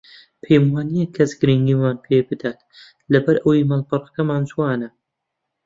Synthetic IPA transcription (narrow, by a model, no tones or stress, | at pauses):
pʰejmwaːnijɛkʰːɐsɡɨɾiŋɡiːmaːnpʰeːbɨd̪aːt̪ | lɐbɐɾʔɐwimalqɨɾˤkɐmaːnd͡ʒuwaːnɐ